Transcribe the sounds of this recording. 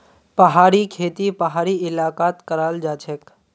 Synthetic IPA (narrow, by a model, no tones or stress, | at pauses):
pəɦaːɾikʰeːt̪ipəɦaːɾiɪlaːkaːt̪kəɾaːld͡ʒaːt͡ʃʰek